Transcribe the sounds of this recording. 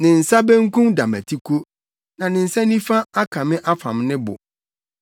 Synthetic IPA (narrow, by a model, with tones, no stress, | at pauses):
nɪ̃˨n̩˨sa˦bɛ̃˦ŋ˦kũ˦mda˨mæ̰˨tʰi˦kʰo˦ | nã˨nɪ̃˨n̩˨sa˦nĩ˦fa˦a˦kʰã˨mɪ̃˦ʔa˦fã̰˨mnɪ̃˦bʊ̰˨